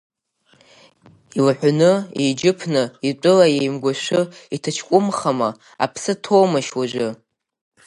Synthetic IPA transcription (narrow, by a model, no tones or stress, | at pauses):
ilħʷanɨḛjd͡ʒɪpʰnɨit͡pʷʼʊlajejmɡʷaʃʷʊitʰat͡ʃʰkʷʼʊmχama | a̰pʰsɨtʰoːmaʃwaʒʷʊ